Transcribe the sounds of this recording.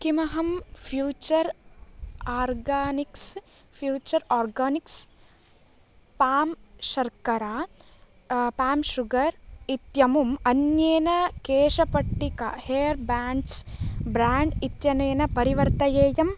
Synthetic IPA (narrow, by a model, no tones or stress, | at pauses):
kimɐɦɐmfʰjuːt͡ʃɐɾ | aːɾɡaːniks | pʰjuːt͡ʃɐɾaːɾɡaːniks | paːmʃɐɾkɐɾaː | paːmʃuɡɐɾit̪jɐmumɐnjeːnɐkeːʂɐpɐʈːikɐ̰heːɐɾbaːɳɖsbɾaːɳɖit̪jɐneːnɐpɐɾiʋɐɾt̪ɐjeːjɐm